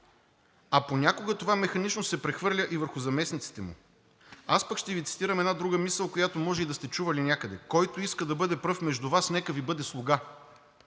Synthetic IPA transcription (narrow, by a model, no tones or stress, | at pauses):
ɐponʲakoɡət̪ovamɛxɐnit͡ʃnosɛpɾɛxvɤɾlʲəʔivəɾxʊzɐmɛsnit̪si̥t̪ɛmṵ | aspəkʃt̪ɛvit̪si̥t̪iɾəmɛd̪nad̪ɾuɡəmisəlˠkojat̪omɔʒɛid̪ɐst̪ɛt͡ʃuvɐlinʲakəd̪ɛ̰kɔjt̪oiskəd̪ɐbɤd̪ɛpɾɤfmɛʒd̪uvasnɛkəvibɤd̪ɛslˠʊɡa